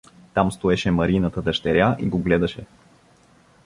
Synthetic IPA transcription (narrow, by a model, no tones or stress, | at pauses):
t̪amst̪oɛʃɛmɐɾinət̪əd̪ɐʃt̪ɛɾʲjaʔiɡoɡlɛd̪ɐʃɛ